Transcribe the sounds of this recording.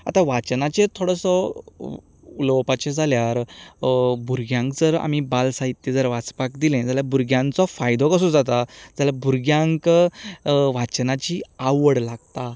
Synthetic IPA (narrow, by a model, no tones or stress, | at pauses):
a̰t̪ãʋat͡ɕnat͡ɕet̪ʰoɽəsɔ | ulɔpat͡ɕed͡zʱaljaɾ | bʱuɾɡjãŋkd͡zəɾa̰mibalsaɦit̪ːed͡zəɾʋat͡spakd̪ilɛ̃d͡zaljabuɾɡjãnt͡sɔfajd̪ʱɔkəs̬ũd͡zat̪ad͡zalabʱuɾɡjãŋk | ʋat͡ɕnat͡ɕiaʋəɽlaɡt̪a